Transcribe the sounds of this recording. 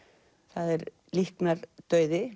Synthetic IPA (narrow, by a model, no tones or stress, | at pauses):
θaðɛɾ | lihknaɾt̪œːɥðɪ